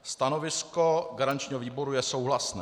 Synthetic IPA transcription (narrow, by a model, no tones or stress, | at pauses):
st̪ano̞vɪskoɡaɾant͡ʃɲiːɦoviːbo̞ɾujɛso̞wɦlasnɛː